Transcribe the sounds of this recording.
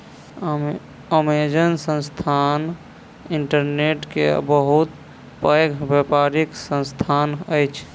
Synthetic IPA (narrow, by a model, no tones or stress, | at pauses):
əmed͡ʒənsə̃nst̪ʰan | iɳʈəɾneʈkebəɦut̪ | pəjɡʱbepaɾiksə̃nst̪ʰanəjt͡ʃʰ